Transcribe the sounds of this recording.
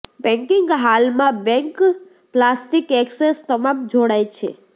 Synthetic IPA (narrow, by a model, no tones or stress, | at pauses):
bɛ̃ŋkiŋɡɦalmãbɛ̃ŋk | plasʈikɛksest̪əmamd͡ʒoɽajt͡ʃʰḛ